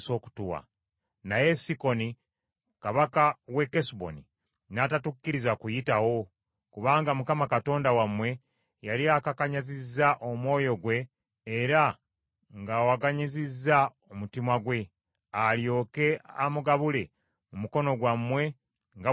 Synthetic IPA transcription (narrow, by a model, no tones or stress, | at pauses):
so̞ːku̥tuwa̰ | naje̞siko̞ni | kaβakawe̞kesubo̰ni | natatukːiɾizwakujitawo̞ | kuβaːŋɡamukamakato̞ːndawamwe̞ | jaliakakaɲazizːaʔomwo̞ːjo̞ɡwe̞ː | ɾa | ŋɡaːwaɡaɲizizːa | omutimwaɡwe̞ | aljo̞ːke̞amuɡaβule̞ | mumuko̞no̞ɡwamwe̞ | ŋɡa